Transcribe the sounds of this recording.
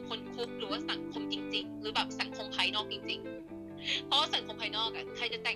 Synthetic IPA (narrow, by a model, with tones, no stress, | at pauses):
kʰo˧nkʰu˦˥k̚ɾɯː˨˩˦waː˧˥˩sa˨˩˦nkʰo˧˥mt͡ɕi˧ŋt͡ɕi˧ŋɾɯː˩˦bɛː˨˩p̚sa˨˩˦nkʰo˨˩˦ŋpʰa˧jnɔː˥˩k̚t͡ɕi˧ŋt͡ɕi˧ŋ | pʰɔ˦˥waː˥˩sa˨˩˦nkʰoː˨˩˦ŋpʰaː˧jnɔː˥˩k̚a̰˨˩kʰɾa˧jt͡ɕa˨˩t̪ɛː˨˩